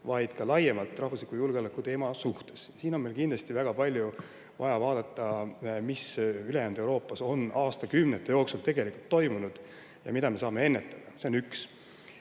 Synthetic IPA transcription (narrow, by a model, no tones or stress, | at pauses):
vɑjd̪̥kɑlɑjemɑlt̪ːˑrɑhvuslikˑujulɡeo̞lekːˑut̪e̞ːmɑsuht̪e̞̥ssiːno̞nme̞lkind̪lɑst̪ivæɡ̥ɑpɑlʲju | vɑ̰jɑvɑːd̪ɑt̪ˑːɑmisyle̞jæːnd̪ewɾo̞ːpːˑɑso̞nʔɑːst̪ɑkymnet̪ːˑejo̞ːksult̪e̞ɡ̥e̞likult̪ːo̞jmunud̪̥ | jɑ̰mid̪ɑme̞sɑːme̞e̞nːet̪ːˑɑd̪̥ɑse̞onyks